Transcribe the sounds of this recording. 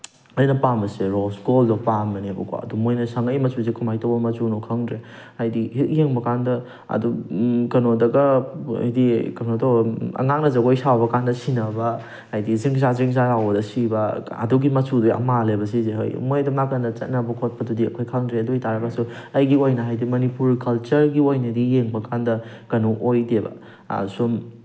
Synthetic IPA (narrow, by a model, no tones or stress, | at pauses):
ɐjnɐpamɐseɾosɡoldopamɐnebɐkʰo̰ɐ̰dumojnɐsɐŋɐjmɐsʰus̬ekʰumajtowbɐmɐsunokʰaŋdɾe | ajdiheŋbɐkandɐ | ɐ̰dukɐnodɐɡɐɐ̰jdikɐnotoɐ̰ŋak̚nɐzɐɡojsawbɐkandɐsinɐbɐ | hajdiziŋs̬azɾiŋs̬alawbɐdɐsibɐɐ̰duɡimɐsʰudujɐ̰malebɐs̬izeɦo̰jmojdɐmakandɐt͡ʃɐt̚nɐbɐkʰot̚pɐdudiɐ̰kʰojkʰaŋdɾeɐduitaɾɐkasuɐjɡiojnɐɦajdimɐnipuɾkʰɐlt͡ʃɐɾɡiojnɐdijeŋbɐkʰandɐkɐnoʔojdebɐ̰ | sum